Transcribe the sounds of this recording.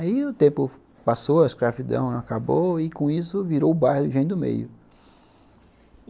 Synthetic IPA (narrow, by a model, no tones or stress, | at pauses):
aiʊt̪ẽmpʊ | pasowɐeskɾavid̪ɐ̰̃w̃akaboɪkõisʊviɾoʊbajhʊʒẽj̪d̪ʊmḛjʊ